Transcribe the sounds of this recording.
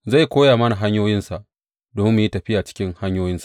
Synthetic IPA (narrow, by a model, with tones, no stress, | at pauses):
za˦˨jkʷoː˦jaː˨mɐ˦na˨ɦa˦ɲjoː˦jɪ˦nsa˨ʔ | doː˨mɪ˦mːu˨ji˦tɐ˨ɸɪ˦ja˨t͡ʃɪ̥˦kʲɪ˦ŋha˦ɲjoː˦jɪ˦nsa˨